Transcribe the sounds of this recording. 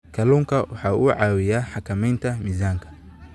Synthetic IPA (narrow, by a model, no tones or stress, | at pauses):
kʰɐluːŋkʰɐwɑ̰ħɑːʔuːʕɑːwɪjaːħɑkʰɐmɛjnt̪ʰɐmizaːŋkʰɐ̥